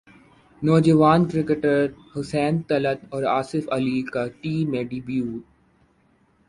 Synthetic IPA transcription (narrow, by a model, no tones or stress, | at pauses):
nɔːd͡ʒəʋaːnkɾɪkeʈəɾhʊsɛ̃ːnt̪ɐlət̪ɔːɾaːsɪfɐlikaʈiːmẽɖɪbjuːʈ̚